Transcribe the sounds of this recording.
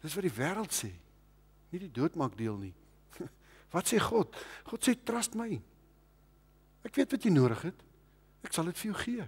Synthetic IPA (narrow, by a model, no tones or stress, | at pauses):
d̥əsvɐdivæːɾəlˠtsɛː | nididuətmɑːk̚diəlˠni | vɐtseχɔtχɔtsetrɐstməj | ækviətvɐtjəjnuəɾəχɦɛt | æksɐlˠətfərjəwχiə